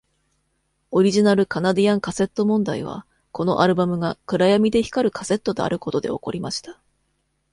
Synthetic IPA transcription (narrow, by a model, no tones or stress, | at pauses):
o̞ɾʲiʑinaɾɯ̟kanad̪ijãŋkase̞t̪ːo̞mõ̞nd̪aiβ̞a̰ | ko̞no̞ʔaɾɯ̟bamɯ̟ɡakɯ̟ɾajamʲid̪e̞çi̥kaɾɯ̟kḁse̞t̪ːo̞d̪e̞̰a̰ɾɯ̟ko̞t̪o̞d̪e̞̰o̞̰ko̞̰ɾʲimaɕi̥t̪ḁ